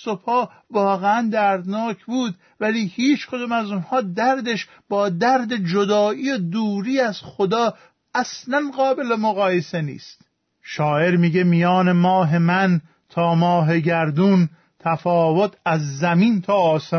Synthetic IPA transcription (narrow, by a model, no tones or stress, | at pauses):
sopʰɒː | vɒːɣeænd̪æɾd̪nɒːcʰbuːd̪ | væliːhiːt͡ʃʰkʰod̪umæzunhɒːd̪æɾd̪eʃ | b̥ɒːd̪æɾd̪ed͡ʒod̪ɒːʔiːed̪uːɾiːæz̥xod̪ɒː | æslænɢɒːbe̞lemoɣɒːjesenḭːst̪ | ʃɒːʔe̞ɾmiːɟemijɒːne̞mɒːɦe̞mæn | t̪ʰɒːmɒːɦe̞ɟæɾd̪uːn | t̪ʰæfɒːvot̪ʰæzːæmiːnt̪ʰɒːɒːse